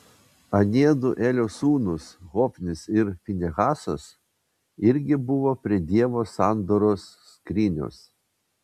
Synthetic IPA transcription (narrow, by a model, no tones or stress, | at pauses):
ɐnʲiɛd̪ʊʔeːlʲoːsuːnʊsɣɔːpʲnʲɪsɪɾfʲɪnʲɛɣɑːsos | ɪɾʲɡʲɪbʊʋoːpʲɾʲiɛd̪ʲiɛʋoːsɑˑnd̪oːɾoːsːkɾʲɪnʲo̰ːs